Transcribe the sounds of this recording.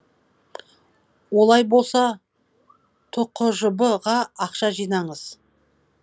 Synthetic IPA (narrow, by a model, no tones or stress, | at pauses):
wo̞lˠɑjbo̞lˠsɑ | t̪ʰʊqːʊʒʊbəʁɑɑqʃɑʒijnɑɴəz̥